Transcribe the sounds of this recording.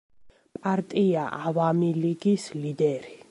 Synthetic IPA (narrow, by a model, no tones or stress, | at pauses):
pʼaɾt̪ʼiaʔavamiliɡislid̪ɛɾi